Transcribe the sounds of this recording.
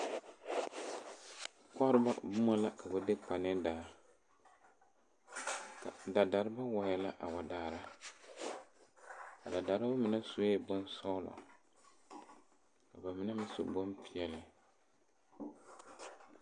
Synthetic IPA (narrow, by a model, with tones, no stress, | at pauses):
ka˦ɾɨ˦ba̰˦bʊ˦ma˦la˦ka˨ba˨de˦pa˨n˦ɛ˦daː˨ | ka˨da˨da˨ɾɪ˦ba˦wa˨jɛ˨la˦ʔa̰˨wa˨daː˨ɾa˦ | ka˨da˨da˨ɾɪ˦ba˦mɪ˨na˦so˨e˦bɔ˦nsa˦lɔ̰˨ | ka˨ba˨mɪ˨na˦mɪ˦so̰˨bɔ˦mpi˨ɛ˨lɪ˨